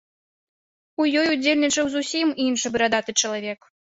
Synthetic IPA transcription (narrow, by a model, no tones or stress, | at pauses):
ujɔjud͡zʲelʲnʲit͡ʂɐwzusʲiminʂɨbɨɾad̪at̪ɨt͡ʂɐlˠavʲɛk